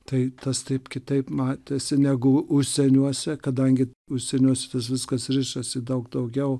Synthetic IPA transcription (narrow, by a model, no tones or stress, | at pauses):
t̪ɐɪt̪ɐst̪ɐɪpkʲɪt̪ɐɪpmɑːt̪ʲeːsʲɪnʲæɡʊʊʃʲsʲɛnʲuɔsʲɛkɐd̪ɐŋʲɡʲɪ | ʊʃʲsʲɛnʲuɔsʲɛt̪ɐsʋʲɪskɐsɾʲɪʃʲɛsʲɪd̪ɐʊɡd̪ɐʊɡʲɛʊ